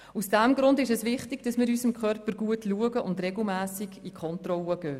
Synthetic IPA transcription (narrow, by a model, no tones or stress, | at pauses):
usd̥æmɡɾʊndɪʃɛsvɪχtɪiɡ̥d̥ɑsmɪːɾysəmkʰχœrpəɾɡ̥uətʰluəɡəʔʊndrɛɡl̩ˠmæːsɪɡikʰɔntrɔləɡ̥øː